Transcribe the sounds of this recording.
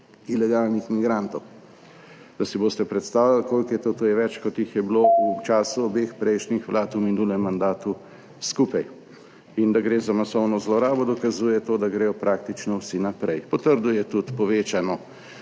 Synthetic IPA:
ilɛɡalnixmiɡɾant̪ɔw | d̪̥asiboːst̪ɛpɾɛt̪st̪aːwlalkoːlkjɛt̪ot̪ojɛʋɛt͡ʃkɔt̪jixjɛblout͡ʃaːsuɔbexpɾɛjʃnixʋlaːt̪uminulɛmːand̪aːt̪u | skuːpaj | ind̪aɡɾeːzamasɔwnɔzlɔɾaːbɔd̪ɔkazuːjɛt̪oːd̪aɡɾeːjɔpɾaːk̚t̪it͡ʃnɔwsinapɾɛjpɔt̪əɾd̪ujɛt̪ut̪pɔʋeːt͡ʃanɔ

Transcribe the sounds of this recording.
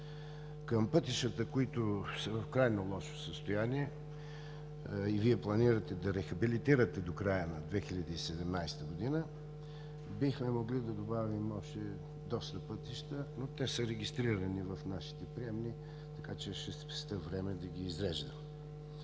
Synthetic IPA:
kəmpɤt̪iʃt̪ət̪əkoit̪osəvɐfkɾajnolˠɔʃo̥səst̪ojaniɛ | iviɛplˠɐniɾət̪ɛd̪ɐɾɛxɐbilit̪iɾət̪ɛd̪okɾajənɐd̪vɛxilʲɐd̪əisɛd̪ɛmnajst̪əɡʊd̪inə | bixmɛmoɡlid̪ɐd̪obavimɔʃt̪ɛ | d̪ɔst̪əpɤt̪iʃt̪ənot̪ɛsəɾɛɡʲist̪ɾiɾənivɐfnaʃi̥t̪ɛpɾiɛmni | t̪ɐkat͡ʃɛʃɛspɛst̪əvɾɛmɛd̪ɐɡiːzɾɛʒd̪ə

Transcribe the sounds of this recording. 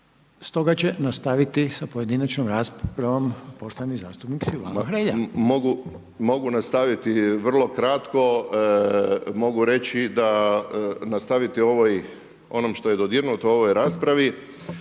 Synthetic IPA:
st̪o̞ɡat͡ɕenast̪aʋit̪isapo̞je̞d̪inat͡ʃnomɾaːspɾaʋompo̞ʃt̪oaniza̰ːst̪upniksila̰xɾeʎamoɡu | mo̞ɡunast̪aʋit̪iʋr̩lˠo̞kɾat̪ko̞ | mo̞ɡuɾe̞t͡ʃid̪a | nast̪aʋit̪io̞ʋoj | o̞nomʃt̪ojed̪od̪jiɾnut̪uo̞ʋojɾaːspɾaʋi

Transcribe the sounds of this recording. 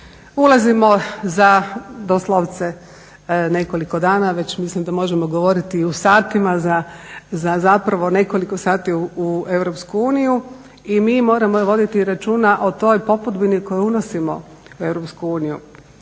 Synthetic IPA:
ulˠazimo̞zad̪oslˠoʋt̪se̞ | ne̞ko̞liko̞d̪aːnaʋe̞t͡ɕmislimd̪amo̞ʒemoɡoʋo̞ɾit̪iusaːt̪imazazazapɾaʋo̞ne̞ko̞liko̞saːt̪iue̞ʋɾopskuuːniju | imiːmo̞ːɾamoʋo̞d̪it̪iɾat͡ʃuːnaʔo̞t̪o̞ːjpo̞pud̪biniko̞juuno̞simo̞̰ | ue̞ʋɾopskuuːnijṵ

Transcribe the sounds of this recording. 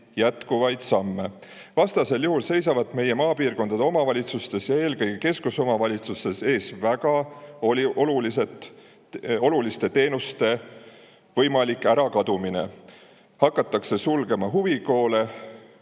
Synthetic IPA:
jæt̪kuvɑjd̪̥sɑmːe̞ | vɑst̪ɑse̞ljuhulse̞jsɑvɑt̪ːˑme̞je̞mɑːpiːrko̞nd̪̥ɑd̪o̞mɑvɑlʲit̪sust̪e̞sjɑe̞ːlkɤjɡ̥e̞ke̞skuso̞mɑvɑlʲit̪sust̪e̞se̞ːsvæɡ̥ɑo̞lʲiʔo̞lulise̞t̪ | o̞lulist̪e̞t̪e̞ːnust̪e̞ | vɤ̞jmɑlikːˑæɾɑkɑd̪umine̞̰ | hɑkːˑɑt̪ːˑɑkse̞sulɡe̞mɑɦuviko̞ːle̞

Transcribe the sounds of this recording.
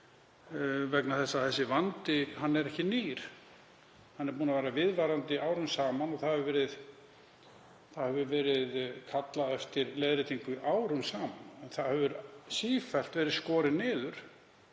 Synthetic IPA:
vɛknaθɛsːaθɛsːɪvant̪ɪɦanːɛɾɛhcɪniːɾ̥ | hanːɛɾpuːnaveːɾavɪðvaɾant̪ɪaːwɾʏmsaːmanɔθahɛvʏvɛːɾɪð | θaðhɛvʏvɛːɾɪðkʰat̪laðɛft̪ɪɾleðɾɪt̪ʰiŋkʏʔaːwɾʏmsaːmanɛnθaðhɛvʏɾsiːfɛl̥t̪vɛːɾɪðskɔːɾɪnɪːðʏɾ̥

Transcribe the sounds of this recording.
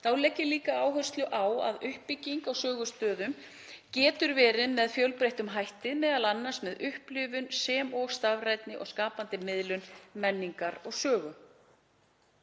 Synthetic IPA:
θawlɛcːɪliːkaaːwɦœst̪lʏʔawa̰ðʏhpːɪcːiŋkawsœːɣʏst̪œːðʏm | cɛːt̪ʏɾvɛːɾɪmɛðfjœlpɾejht̪ʏmɦajht̪ɪðmɛːðalanːḁsmɛðʏhplʏːvʏnsɛːmɔst̪avrajt̪nɪʔɔɣskaːpant̪ɪmɪðlʏnmɛnːiŋkaɾɔɣsœːɣʏ

